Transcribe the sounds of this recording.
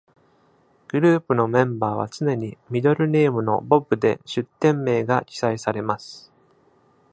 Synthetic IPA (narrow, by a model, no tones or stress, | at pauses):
ɡ̥ɯ̟ɾɯːpɯ̟no̞mẽ̞mbaːβ̞a̰t͡sɨne̞ɲ̟imʲid̪o̞ɾɯ̟ne̞ːmɯ̟no̞̰bo̞bɯ̟d̪e̞̰ɕɨt̪ːẽ̞mːe̞ːɡakʲi̥saisaɾe̞masɨ̥